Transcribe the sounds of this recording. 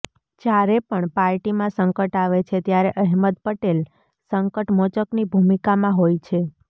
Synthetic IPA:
d͡ʒjaɾepəɳpaɾʈimãsəŋkəʈaʋet͡ʃʰet̪jaɾeʔəɦməd̪pəʈel | səŋkəʈmot͡ʃəknibʱumikamãɦojt͡ʃʰe

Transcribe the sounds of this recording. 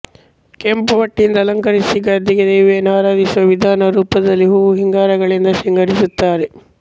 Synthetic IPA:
kempɐʋɐʈːind̪ɐlɐŋkɐɾisiɡɐd̪iɡed̪eːʋeɐnaːɾaːd̪isuʋɐʋid̪ʱaːnɐɾuːpɐd̪ɐlːiɦuːʋuɦiŋɡaːɾɐɡɐɭind̪ɐʃiŋɡɐɽisut̪ːaːɾe

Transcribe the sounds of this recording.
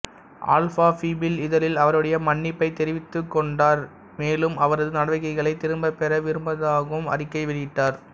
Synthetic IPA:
ʔa̰ːlfaːfiːbɪlɪðɐlɪlɐʋɐɾɯɽɐjɐmɐɳːɪpːɐɪt̪ɛɾɪʋɪt̪ːɯkːɔɳɖaːɾ | meːlɯmɐʋɐɾɐðɯnɐɽɐʋɪɣɐɪɣɐɭɐɪt̪ɪɾɯmbɐpɛɾɐʋɪɾɯmbɐðaːɣɯmɐ̰rɪkːɐɪʋɪɽɪʈːaːɾ

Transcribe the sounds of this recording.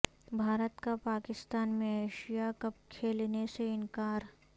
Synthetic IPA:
bʱaːɾət̪kapaːkɪst̪aːnmẽeːʃijakɐp̚kʰeːlneseɪnkaːɾ

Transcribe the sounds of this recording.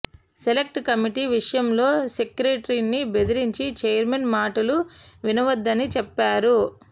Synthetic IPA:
sele̞k̚ʈkɐmiʈiʋiʂɐjɐmlo̞ːsekɾeːʈɐɾinːibe̞d̪iɾiɲt͡ʃit͡ʃɛjɐɾmenmaːʈɐluʋinɐʋɐd̪ːɐnit͡ʃɛpːaːɾu

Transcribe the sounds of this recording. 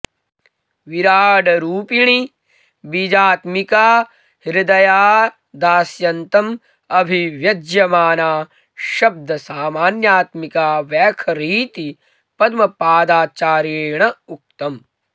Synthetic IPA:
ʋiɾaːɖɐɾuːpiɳ̃i | bid͡ʒaːt̪mikaː | hiɾɐd̪ɐjaː | d̪aːsjɐnt̪ɐm | ɐbʱiʋjɐd͡ʒjɐmaːnaː | ʃɐb̚d̪ʱɐsaːmaːnjaːt̪mikaːʋjɛːkʰɐɾiːt̪i | pɐd̪mɐpaːd̪aːt͡ʃaːɾeːɳɐuk̚t̪ɐm

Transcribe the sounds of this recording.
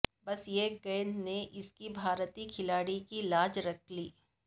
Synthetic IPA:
bɐsjeɡɛːnneʔɪskibʱaːɾt̪ikʰɪlaːɽikilaːd͡ʒɾɐkʰliː

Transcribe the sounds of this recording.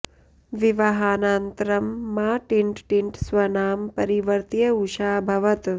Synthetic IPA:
ʋiʋɐɦaːnaːnt̪ɾɐmːaːʈiɳʈʈiɳʈsʋɐnaːmpɐɾiʋɐɾt̪jɐuʂaːbʱɐʋɐt̪

